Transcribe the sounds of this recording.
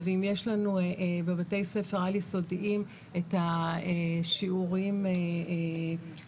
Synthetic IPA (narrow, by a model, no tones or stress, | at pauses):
veimjeʃlanuebebate̞jsefeʁaliso̞dʔim | etaeʃiuʁime